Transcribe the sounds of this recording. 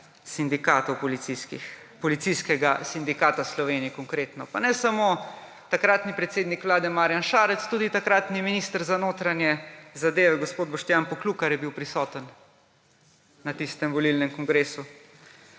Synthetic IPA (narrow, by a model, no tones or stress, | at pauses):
sind̪ikaːt̪ɔwpɔliiki | pɔlit̪sijskɛɡasind̪ikaːt̪aslɔʋeːnijikɔŋkɾeːt̪nɔpanɛsamoː | t̪akɾaːt̪nipɾɛt̪seːd̪nikʋlaːd̪ɛmaːɾjanʃaːɾɛt̪st̪uːd̪it̪akɾat̪niminist̪əɾzanoːt̪ɾanjɛzad̪eːʋɛɡospoːd̪bɔʃt̪jaːnpɔkluːkaɾjɛbiwpɾisɔːt̪ən | at̪ist̪ɛmʋɔlilnɛmkɔŋɡɾeːsu